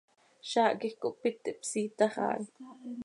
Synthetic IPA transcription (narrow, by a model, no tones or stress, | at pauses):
ʃaːʔkixkoʔpit̪ːiʔpsiːt̪ɑχɑ̰ːl